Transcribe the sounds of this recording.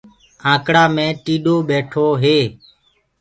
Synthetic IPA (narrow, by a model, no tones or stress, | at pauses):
ãːkɽaːmẽːʈiːɗoːɓeːʈʰoːɦeː